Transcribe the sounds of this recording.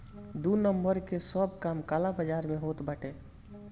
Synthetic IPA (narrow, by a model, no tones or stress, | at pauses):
d̪unəmbəɾkesəb̚kamkalabəd͡ʒaɾmẽɦot̪bəʈe